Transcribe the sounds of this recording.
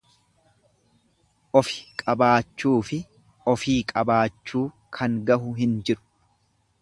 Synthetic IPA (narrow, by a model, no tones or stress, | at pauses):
ʔɔfɪ̥kʼɐbaːt͡ʃːuːfɪ | ɔfiːkʼɐbaːt͡ʃːuː | kʰɐŋɡɐɦʊɦɪnd͡ʒɪɾʊ̥